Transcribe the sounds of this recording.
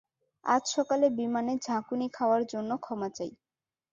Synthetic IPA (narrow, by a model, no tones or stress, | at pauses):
a̰d͡ʑʃɔkalebimaned͡ʑʱãkunikʰaoaɾd͡ʑonːokʰɔmat͡ɕaj